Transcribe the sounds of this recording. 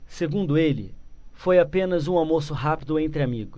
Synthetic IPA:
seɡũd̪ʊelɪ̰fojapẽnɐzũawmosʊɦapid̪ʊẽnt̪ɾɪamiɡʊs

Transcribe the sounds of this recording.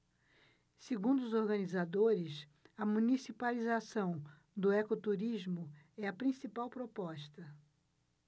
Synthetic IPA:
seɡũd̪ʊʊzoɾɡɐ̃nizad̪oɾɪs | ɐmũnisipalizasɐ̃w̃ | d̪ʊɛkot̪uɾiʒmʊ | ɛɐpɾĩsipawpɾopɔʃt̪ɐ

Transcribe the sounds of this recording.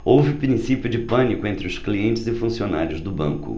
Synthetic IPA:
owvɪpɾĩsipjʊd͡ʒɪpɐ̃nikʊẽnt̪ɾɪʊskliẽnt͡ʃɪzɪfũsionaɾjʊzd̪ʊbɐ̰̃ŋkʊ̰

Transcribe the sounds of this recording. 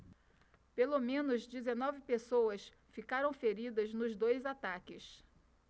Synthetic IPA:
pelomẽnʊzd͡ʒɪzenɔvɪpesowɐs | fikaɾɐ̃w̃feɾid̪ɐznʊzd̪ojzat̪akɪs

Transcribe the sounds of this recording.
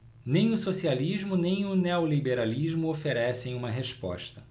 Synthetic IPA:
nẽj̃ʊsosialiʒmʊnẽj̃ʊneolibeɾaliʒmʊofeɾɛsẽj̃ũmɐɦeʃpɔ̰ʃt̪ɐ

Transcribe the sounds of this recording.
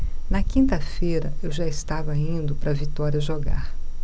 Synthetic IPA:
nɐkĩnt̪ɐfejɾɐewʒaɪst̪avɐĩnd̪ʊpɾɐvit̪ɔɾiɐʒoɡa̰ɾ

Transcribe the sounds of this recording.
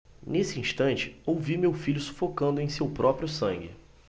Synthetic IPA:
nesɪĩʃt̪ɐ̃nt͡ʃɪ̥owvimewfiʎʊsu̥fokɐ̃nd̪ʊẽj̃sewpɾɔpɾjʊsɐ̃ŋɡɪ̰

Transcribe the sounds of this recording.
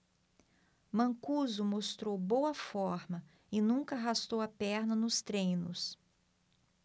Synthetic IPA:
mɐ̃ŋkuzʊmost̪ɾowbowɐfɔɾmɐ | ɪnũkɐaɦast̪owɐpɛɾnɐnʊst̪ɾẽjnʊs

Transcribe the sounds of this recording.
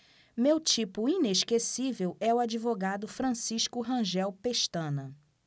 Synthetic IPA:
mewt͡ʃipʊineʃkesivewɛʊad͡ʒivoɡad̪ʊfɾɐ̃siʃkʊɦɐ̃ʒɛwpeʃt̪ɐ̃nɐ

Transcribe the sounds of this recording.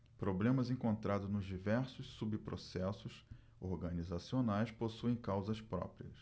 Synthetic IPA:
pɾoblẽmɐzẽkõnt̪ɾad̪ʊznʊzd͡ʒivɛɾsʊssubpɾo̰sɛsʊs | oɾɡɐnizasionajsposuẽj̃kawzɐspɾɔ̰pɾiɐs

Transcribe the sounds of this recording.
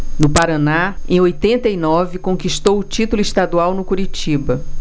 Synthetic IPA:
nʊpaɾanaẽj̃ojt̪ẽnt̪ɐinɔvɪkõŋkiʃt̪owʊt͡ʃit̪ʊlʊist̪ad̪uawnʊkuɾit͡ʃibɐ

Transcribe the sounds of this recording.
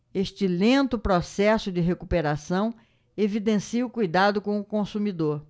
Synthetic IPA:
eʃt͡ʃɪlẽnt̪ʊpɾɔsɛsʊd͡ʒɪɦekupeɾasɐ̃w̃ | evid̪ẽsiʊkujd̪ad̪ʊkõw̃ʊkõsumid̪oɾ

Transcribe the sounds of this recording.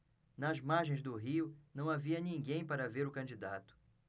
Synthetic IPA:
nɐzmaɾʒẽj̃zd̪ʊɦiʊnɐ̃w̃aviɐnĩŋɡẽj̃paɾɐveɾʊkɐ̃d͡ʒid̪at̪ʊ̥

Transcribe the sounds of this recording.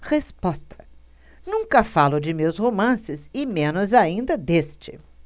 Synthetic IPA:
hespɔst̪ʰɐ̥ | nũŋkɐfalʊd͡ʒɪmewshomɐ̃sɪzɪmẽnʊzaĩnd̪ɐd̪est͡ʃɪ

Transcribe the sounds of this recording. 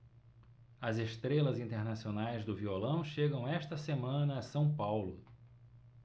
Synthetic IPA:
ɐzeʃt̪ɾelɐzĩnt̪eɾnasionajzd̪ʊviolɐ̃w̃ʃeɡɐ̃w̃ɛʃt̪ɐsemɐ̃nɐɐsɐ̃w̃pawlʊ

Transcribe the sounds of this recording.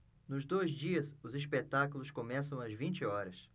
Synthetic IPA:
nʊzd̪ojzd͡ʒiɐsʊzispet̪akulʊskomɛs̬ɐ̃w̃ɐzvĩnt͡ʃɪɔɾɐs

